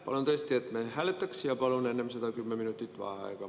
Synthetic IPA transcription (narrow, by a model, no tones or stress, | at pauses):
pɑ̰lont̪est̪ːiet̪mehælet̪ːæksjɑpɑlonenːemsɑt̪ɑkymːeminut̪ːit̪ʋɑ̰hɑ̰ikɑ